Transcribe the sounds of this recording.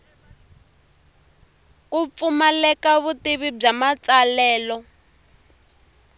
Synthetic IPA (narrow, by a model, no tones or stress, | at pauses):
kup̪fumalɛkaβutiβib͡ʐamat͡salɛːlɔ